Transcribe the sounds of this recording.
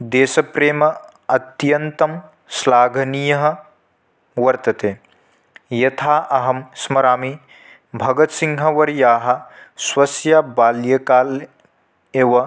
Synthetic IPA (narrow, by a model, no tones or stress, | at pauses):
d̪eːsɐpɾeːmɐ | ɐt̪jɐnt̪ɐm | slaːɡʱɐnijɐɦɐ̆ | ʋɐɾt̪ɐt̪eː | jɐt̪ʰaːʔɐɦɐmsmɐɾaːmi | bʱɐɡɐt̪siŋɦɐʋɐɾjaːɦɐ̆swɐsjaːbaːljɐkaːl | eːʋɐ